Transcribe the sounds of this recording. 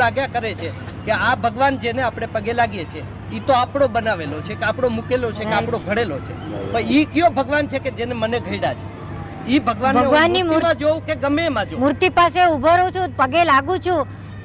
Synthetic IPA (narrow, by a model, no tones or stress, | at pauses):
aɡjakəɾet͡ʃʰe | keabʱəɡʋand͡ʒeneapɽ̃epəɡelaɡjet͡ʃʰe | it̪oapɽ̃obənaʋelot͡ʃʰekeapɽomukelot͡ʃʰekeapɽ̃oɡʱəɽelot͡ʃʰepəikjõbʱəɡʋant͡ʃʰeked͡ʒeneməneɡʱəiɽat͡ʃʰe̥ | ibʱəɡʋanbʱəeʋanːimuɾmãd͡ʒoũkeɡəmemãd͡ʒomuɾt̪ipaseubʱəɾot͡ʃʰũpəɡelaɡũt͡ʃʰu